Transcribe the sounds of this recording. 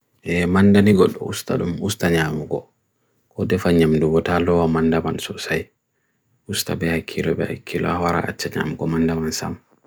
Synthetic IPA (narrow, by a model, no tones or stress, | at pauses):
ʔɛmandaniɡɔɗːɔ̰usta̰ɗumustaɲamuɡɔ̰ | kɔdɛfaɲamduɡɔtalɔwamandamansɔsaj | ustabɛhakʰːilɔbɛha̰kʰːilɔ̰awaɾa̰a̰t͡ʃːaɲa̰muɡɔmandamansa̰m